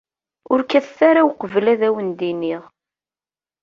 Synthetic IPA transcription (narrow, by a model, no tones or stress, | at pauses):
ʊɾkæθθaɾawqəvlæðæwənd̪iniʁ